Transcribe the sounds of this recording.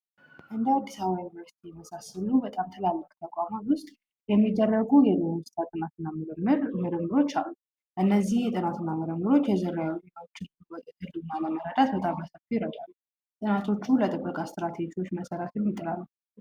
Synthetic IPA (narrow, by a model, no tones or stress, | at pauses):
ʔɨnd̪əad̪ːisawajunivəɾsi̥t̪ʰijɛməsasəlubət̪ʼamt̪ʰəlalːəkʼt̪ʰəkʼamawʊst̪ʼ | jɛmːid̪ːərːəɡujɛzomst̪ʰʼat̪ʼɨnat̪ɨnːamɾmɨɾɨmːɨɾo̞t͡ʃːalːu | ʔɨnːəzːihjɛt̪ʼɨnat̪ʰɨnːamɨɾəmːɨɾo̞t͡ʃːjɛzɨɾːajwozenawot͡ʃːɪn | wɔt̪ʼət̪ʰɨlːɨɡmaləməɾəd̪at̪̚bət̪ʼamːəsafijɾət̪ʼwalːu | t̪ʼɨnat̪ʰo̞t͡ʃːulət̪ʼɨbːəkʼast̪ɾat̪ʰe̞d͡ʒiwo̞t͡ʃːməsəɾət̪jɛmːit̪ʼːəlalːə